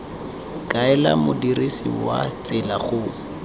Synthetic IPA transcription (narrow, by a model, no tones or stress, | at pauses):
kʼaɛla̰mʊdirisḭwa̰t͡sɪlaχʊ